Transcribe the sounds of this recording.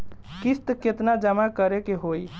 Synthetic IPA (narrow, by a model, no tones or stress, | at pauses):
kist̪ket̪nad͡ʒəmakəɾekeɦoj